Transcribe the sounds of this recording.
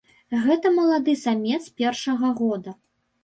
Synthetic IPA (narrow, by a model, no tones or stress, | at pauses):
ɣɛt̪ɐmɐlˠad̪ɨsamʲɛt̪spʲɛrʂɐɣɐɣɔd̪ɐ